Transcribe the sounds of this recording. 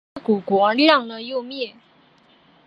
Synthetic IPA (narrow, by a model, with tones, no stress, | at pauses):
ku˨˩kwɔ˧˥ljɑ˥˩ŋnə˧jo˥˧ʊmjɛ˥˩